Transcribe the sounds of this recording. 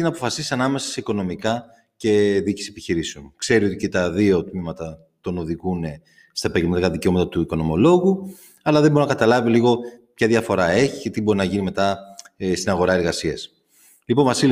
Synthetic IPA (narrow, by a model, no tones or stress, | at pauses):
inɐpo̞fɐsisiɐnɐme̞sɐ̥se̞iko̞no̞mikɐ | ce̞ðici̥sepiçiɾiseonkse̞ɾio̞t̪icet̪ɐðio̞t̪mimɐt̪ɐ | t̪o̞no̞ðiɣune̞ | st̪ɐepɐɟelmɐt̪ikɐðice̞o̞mɐt̪ɐt̪uiko̞no̞mo̞lo̞ɣu | ɐlɐðeboɾinɐkɐt̪ɐlɐviliɣo̞pçɐðʝɐfo̞ɾɐe̞çi̥ce̞t̪ibo̞ɾinɐʝinime̞t̪ɐst̪inɐɣo̞ɾɐe̞ɾɣɐsiɐs | lipo̞nvɐsil